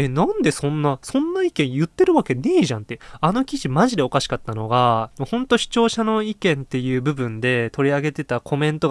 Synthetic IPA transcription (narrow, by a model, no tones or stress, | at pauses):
enãnd̪e̞sõ̞nːasõ̞nːaikẽ̞ɰ̃jɯ̟t̪ːe̞ɾɯ̟βake̞neːʑãnt̪ːe̞ano̞kʲiʑimaʑid̪e̞o̞kaɕi̥kat̪ːanoɡanohõ̞nt̪o̞ɕi̥t͡ɕo̞ːɕano̞ikẽ̞nt̪e̞jɯ̟ːbɯ̟bɯ̟̃nd̪e̞t̪o̞ɾʲiaɡe̞t̪e̞t̪akʰo̞mẽ̞nt̪o̞